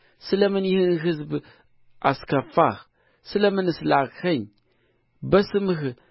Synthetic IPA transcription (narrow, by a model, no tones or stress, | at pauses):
səlamənixinɣəz̬bə | a̰skafax | səlamənəslaɣxaɲ | basəməxə